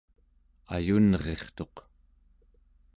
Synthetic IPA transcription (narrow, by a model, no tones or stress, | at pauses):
a̰junʁe̞χt̪o̞q